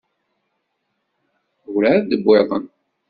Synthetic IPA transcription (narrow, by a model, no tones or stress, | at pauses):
wɾad̪əbːeðˤə̰n